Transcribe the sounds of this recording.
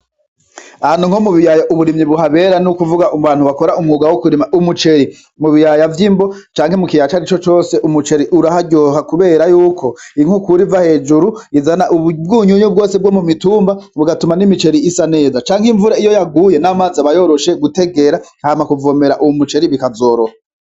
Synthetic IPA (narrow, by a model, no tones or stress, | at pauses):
aanuŋhomuβijajaʔuβuɾimɲiβuɦaβe̞ɾanukuvuɡaʔuβaːn̥huβako̞ɾaumŋuɡawokuɾimaʔumut͡ʃe̞ɾi | muβijajavjimbot͡ʃaːŋhemukijat͡ʃaɾit͡ʃo̞t͡ʃo̞ːse̞ʔumut͡ʃe̞ɾiʔuɾahaɟoɦakuβe̞ːɾajuːkʰo̞iŋhukuɾivahe̞ːd͡ʒuɾuizanaʔubɡuːɲuɲub̚ɡo̞ːsebɡomumituːmbaβuɡatumanimit͡ʃe̞ɾiisane̞ːzat͡ʃaːŋhiɱvuɾaijojaɡuːje̞namazaβajo̞ɾo̞ʃe̞ɡute̞ɡe̞ɾahaːmakuvo̞me̞ɾaʔuwumut͡ʃe̞ɾiβikazo̞ːɾoha